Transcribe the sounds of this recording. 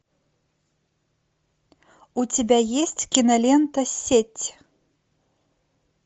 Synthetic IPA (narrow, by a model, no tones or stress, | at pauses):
ut͡sʲabʲajesʲt͡sʲkʲinɐlʲɛnt̪ɐsʲet͡sʲ